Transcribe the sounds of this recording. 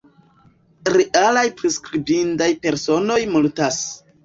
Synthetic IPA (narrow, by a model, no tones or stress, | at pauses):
ɾeʔalajpɾiskɾibindajpe̞ɾso̞no̞jmultas